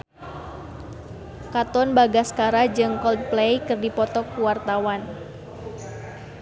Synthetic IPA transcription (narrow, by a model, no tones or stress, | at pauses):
kat̪ɔnbaɡaskaɾad͡ʒɨŋkɔld̚plejkɨrdipɔt̪ɔkːuwart̪awan